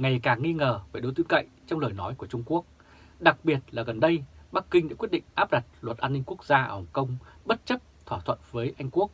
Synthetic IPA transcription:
ŋa˨˩jkaː˨˩ŋŋi˧ŋəː˨˩veː˨˩ɗo˨˦jt̪wəŋka̰˧˨jŋt͡ɕɔ˧wŋ͡mləː˨˩jnɔ˨˦jku˧˩ət͡ɕʊ˧ŋ͡mku˦˥ək̚ | ɗa˨˩k̚ɓi˨˩ət̚laː˨˩ɣə˨˩nɗə˧jɓa˦˥kkːï˧ŋɗa̰ː˧˥kwt̚ɗḭ˧˨ŋ̟ʔaː˦˥p̚ɗa˨˩t̚lwə˨˩t̚ʔaː˧nːï˧ŋ̟ku˦˥ək̚zaː˧ʔə̰ː˧˩hə˨˩ŋ͡mkə˧wŋ͡mɓə˦˥t̚t͡ɕə˦˥p̚t̪ʰwaː˧˩t̪ʰwə̰˧˨nvəː˨˦jʔa˧jŋ̟ku˦˥ək̚

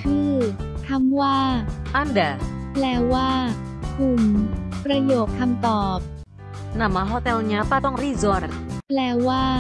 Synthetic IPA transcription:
kʰɯː˥˩k̪ʰa˧˥mwaː˥˩ʔa˥˨nda˨˩plɛː˧waː˥˩ | kʰu˨˩mpɾa˧joː˨˩k̚kʰa˧mt̪ɔː˨˩p̚ | na˨˩mːaː˧ɦɔː˥˩t̪ɛ˧lɲaː˧˥pa˥˩t̪ɔ˥˩ŋɾiː˥˩zɔ˧ɾplɛː˧waː˥˩

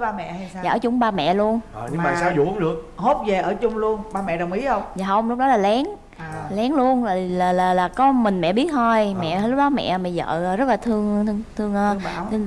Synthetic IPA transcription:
ɓaː˧mɛ̰˧˨˧za̰ː˨˧˨t͡ɕʊ˨˧˦wŋ͡mɓaː˧mɛ̰˧˨lu˧ən˨ɲɨ˧ŋmaː˨˩saː˧˦wzʊ̰˧˨ʊ˨˦ŋ͡mɗɨ˨˩ək̚ho˦˥t̚ve˨˩ʔəː˧˩t͡ɕʊ˧ŋ͡mlu˧ənɓaː˧mɛ̰˧˨ɗə˨˩wŋ͡mʔi˨˦hə˧wŋ͡mzaː˨˩hə˧wŋ͡mlʊ˦˥k͡p̚ɗɔ˨˦laː˨˩lɛ˨˦n | lɛ˨˦ŋlu˧ənː˨˩laː˨˩laː˨˩laː˨˩kɔ˨˦mï˨˩ŋ̟mɛ̰˧˨ɓi˦˥ət̪̚ʰo˧jmɛ̰˧˨˧lʊ˦˥k͡p̚ɗɔ˨˦mɛ̰˧˨ma˨˩zə̰ː˧˨zə˦˥t̚laː˨˩t̪ʰɨ˧əŋt̪əŋt̪ʰɨ˧əŋː˧t̪ʰ

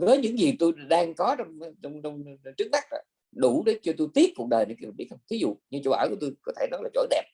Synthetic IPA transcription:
vəː˨˦jɲɨ̰˧˥ŋzi˨˩t̪o˧jɗaː˧ŋkɔ˨˦t͡ɕɔ˧wŋ͡mɔ˧wŋ͡mɔ˧wŋ͡mt͡ɕɨ˦˥k̚t̪a˦˥k̚na̰˨˩ | ɗu˧˩ɗe˨˦t͡ɕɔ˧t̪o˧jt̪i˦˥ət̚kːu˨˩k̚ɗəː˨˩nə̰˨˧˥kːvɓi˦˥t̚hŋ͡mt̪ʰi˨˦zṵ˧˨ɲɨ˧t͡ɕo˧˩wʔəː˧˩jku˧˩˦t̪o˧jkɔ˨˦t̪ʰe˧˩nɔ˨˦jlaː˨˩t͡ɕːɗɛ˨˩p̚

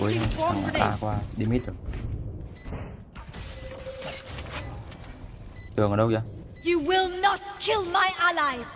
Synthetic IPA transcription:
ṵ˨˦ə˦˧a˨˩ŋa̰˨ʔa̰˨˧kwaː˧ɗi˧mi˦t̪ɨ˨˩əŋ | t̪ɨ˨˩əŋəː˨˩ɗə˧wja˧ | jɨwɪlˠnət̚kʰɪlˠmaɪʔalaɪ̥

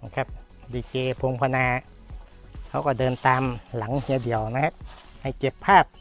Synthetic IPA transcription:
kʰa˧˥˩p̚ | diː˧keː˧pʰo˧ŋpʰa˧naː˧ | kʰa˧˥wkɔː˧˩dɤː˧nt̪aː˧mla˨˩˦ŋhi˧˩˦di˨˩əwna˧˥ha˧ | ha˧˩jke˨˧˩pʰːaː˥˩p̚

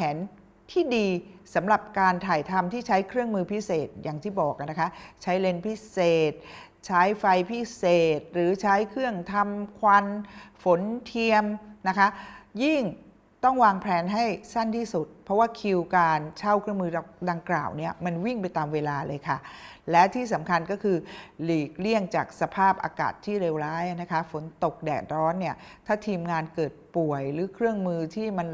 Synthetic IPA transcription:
pʰɛː˩˦n | t̪ʰiː˥˩diː˧sa˩˦mɾa˨˩p̚kaː˧nt̪ʰaː˨˩jt̪ʰa˧mt̪ʰiː˥˩t͡ɕʰa˦˥jkʰɾɯ˥˩əŋmɯː˧pʰi˦˥seː˨˩t̪̚jaː˨˩ŋt̪ʰiː˥˩bɔː˨˩k̚a˧˩na˦˥kʰa˦˥t͡ɕʰa˦˥jle˧npʰi˦˥seː˨˩t̪̚ | t͡ɕʰaː˦˥jfa˧jpʰi˦˥seː˨˩t̪̚ɾɯː˩˦t͡ɕʰa˦˥jkʰɾɯ˥˩əŋt̪ʰa˧mkʰwa˧nfo˨˩˦nt̪ʰi˧əmna˦˥kʰa˦˥ʔji˥˩ŋ | t̪ɔ˥˩ŋwaː˧ŋpʰlɛː˧nɦa˥˩jsa˥˩nt̪ʰiː˥˩su˨˩t̪̚pʰɾɔ˦˥waː˥˩kʰi˧wkaː˧nt͡ɕʰa˥˩wkʰɾɯ˥˩əŋmɯː˧da˧ŋkla̰ː˨˩wni˥˩ɐma˧nwi˥˩ŋp̬a˧jt̪aː˧mweː˧laː˧lɤː˧jkʰa˥˩lɛ˦˥t̪ʰiː˥˩sa˩˦mkʰa˧nkɔː˥˩kʰɯː˧liː˨˩k̚li˥˩əŋt͡ɕaː˨˩k̚sa˧pʰaː˥˩p̚ʔa̰ː˧ka̰ː˨˩t̪ʰːiː˥˩ɾeː˧wɾaː˦˥jʔa˧na˦˥kʰa˦˥fo˩˦nt̪o˨˩k̚dɛ̰ː˨˩t̪̚ɾɔː˦˥nːi˥˩ɐt̪ʰaː˥˩t̪ʰiː˧mŋaː˧nkɤː˨˩t̪̚pu˨˩əjɾɯː˩˦kʰɾɯ˥˩əŋmɯː˧t̪ʰiː˥˩ma˧n

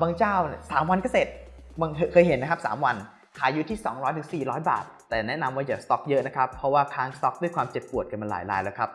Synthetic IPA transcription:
baː˧ŋt͡ɕaː˥˩wnsaː˩˦mwa˧nkɔː˥˩se˨˩t̪̚ma˧ŋ˧kʰɤː˧jɦe˨˦nːa˦˥kʰa˦˥p̚sa̰ː˩˦mwa˧n | kʰaː˨˩˦jːu˦˥t̪ʰiː˥˩sɔː˩˦ŋɾɔː˦˥jt̪ʰɯ˩˦ŋsiː˨˩ɾɔː˦˥jba̰ː˨˩t̪̚ːɛː˨˩nɛ˦˥na˧mwaː˥˩jaː˨˩st̪ɔ˦˥k̚jɤ˦˥ʔna˦˥kʰa˦˥pʰːɔ˦˥waː˥˩kʰaː˧ŋst̪ɔ˦˥k̚du˥˩əjkʰwaː˧mt͡ɕe˨˩pːu˨˩ət̪̚ka˧nma˧la̰ː˩˦jla̰ː˧˦jlɛː˦˩wkʰɾa˦˥p̚

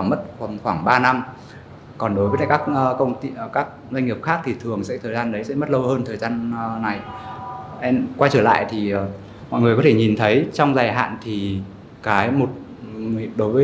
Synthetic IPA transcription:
a˧˩mə˦˥t̚xwaː˧˩ŋɓaː˧na˧m | kɔ˨˩nɗo˨˦jvəː˨˦jkaː˦˥k̚ːkə˧wŋ͡mt̪i˧˨kaː˦˥k̚za˧ŋ̟ŋi˨˩p̚xaː˦˥k̚t̪ʰi˨˩t̪ʰɨ˨˩əŋsɛ̰˧˥t̪ʰəː˨˩jzaː˧nɗə˨˦jsɛ̰˧˥mə˦˥t̚lə˧whəː˧nt̪ʰəː˨˩jzaː˧nːa˨˩j | ʔɛ˧mkwa˧jt͡ɕəː˧˩la̰ː˧˨jt̪ʰiː˨˩˨ | mɔ̰˧˨ŋɨ˨˩kɔ˨˦t̪ʰe˧˩ɲi˨˩nt̪ʰə˨˦jt͡ɕɔ˧wŋ͡mzaː˨˩jɦa̰ː˧˨nt̪ʰi˨˩ | kaː˨˦jmo˨˩t̚ | ɗo˨˦jvəː˨˦

